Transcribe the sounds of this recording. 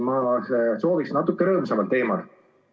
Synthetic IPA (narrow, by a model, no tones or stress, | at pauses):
mɑseso̞ːviksnɑt̪ːˑukːeɾɤːmusemɑlt̪e̞ːmɑl